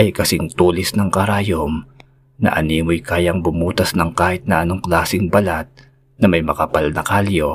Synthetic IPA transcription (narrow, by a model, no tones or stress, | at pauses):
ʔɐjkɐsɪŋt̪uːlɪsnɐŋkɐɾaːjom | nɐ̰ʔɐniːmojkaːjɐŋbʊmuːt̪ɐsnɐŋkaːhɪt̪̚nɐʔɐno̞ŋklaːsɪŋbɐlat̪̚ | nɐmɐjmɐkɐpalnɐkaljo̞